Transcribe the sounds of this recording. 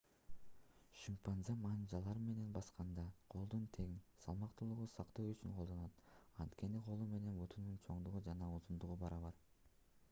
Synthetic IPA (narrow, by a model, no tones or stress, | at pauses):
ʃimpanzɑmɑnd͡ʒɑlˠɑɾɯme̞ne̞nbɑsqɑnd̪ɑqʰo̞lˠd̪unt̪ʰe̞ɡinsɑ̰lˠmɑqt̪ulˠuʁusɑqt̪owyt͡ʃyŋqʰolˠd̪o̞nɑt̪ɑnt̪kʲe̞niqʰo̞lˠume̞ne̞nbut̪ʰununt͡ʃʰo̞ɴd̪uʁud͡ʒɑnɑuzund̪uʁubɑɾɑβɑɾ